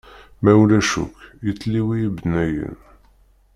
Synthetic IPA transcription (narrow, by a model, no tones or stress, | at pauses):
mæwlæʃṵkjət͡sːliwijibnæjə̰n